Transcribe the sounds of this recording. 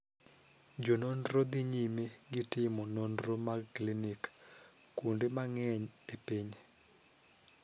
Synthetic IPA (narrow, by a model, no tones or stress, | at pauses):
d͡ʒononrod̪iɲimeɡɪtɪmɔnondromaklinikkundemaŋɛɲepiɲe